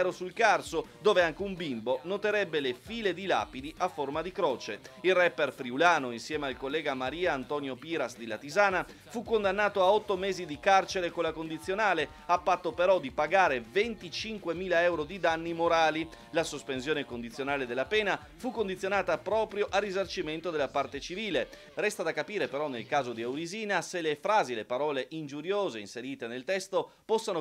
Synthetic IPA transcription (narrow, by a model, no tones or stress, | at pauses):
ɾosulkarsod̪oːveaŋk̟eumbimbonot̪eɾɛbːelefiːled̪ila̰ːpid̪iʔafːormad̪ikɾɔːt͡ʃeilrɛpːerfɾiulaːnoinsjɛːmealkolːɛːɡamaɾiːaːnt̪ɔːnjopiːɾasd̪ilat̪izaːna | fukːond̪anːaːt̪oaɔt̪ːomɛːzid̪ikart͡ʃeɾekolakond̪it̪sːjonaːle | apːat̪ːopeɾɔd̪ipaɡaːɾevent̪it͡ʃiŋkwemiːlaɛwɾod̪id̪anːimoɾaːli | lasospensjoːnekond̪it̪sjonaːled̪elːapɛːna | fukːond̪it̪sːjonaːt̪apɾɔːpɾjoʔarːizart͡ʃiment̪od̪elapart̪et͡ʃiviːle | rɛst̪ad̪akːapiːɾepeɾɔnːelkaːzod̪iewɾiziːnaselefɾaːzilepaɾɔːleʔind͡ʒuɾjoːzeinseɾiːt̪enelt̪ɛst̪opɔsːano